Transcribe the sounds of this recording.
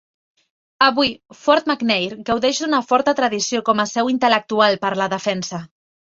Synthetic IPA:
əβuifɔɾt̪̚maknejɾɡəwðɛʒd̪unəfɔɾt̪ət̪ɾəðisiokɔməsɛwint̪ələk̚t̪ualˠpəɾləðəfɛnsə

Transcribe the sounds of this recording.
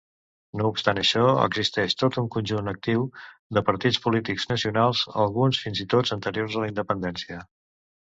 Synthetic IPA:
noupst̪anəʃɔə̰ɡzist̪ɛʃt̪ot̪uŋkunʲʒunək̚t̪iwd̪əpəɾt̪it͡spulit̪iɡznəsiunalˠzə̰lˠɣunsfinzit̪ozənt̪əɾioɾzələind̪əpənd̪ɛnsiə

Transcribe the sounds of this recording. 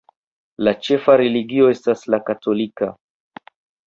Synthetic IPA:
lat͡ʃɛfaɾɛliɡiɔɛstaslakatɔlika

